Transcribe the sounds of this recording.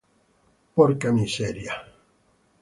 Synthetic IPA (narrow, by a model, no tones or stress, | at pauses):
poɾkamiseɾja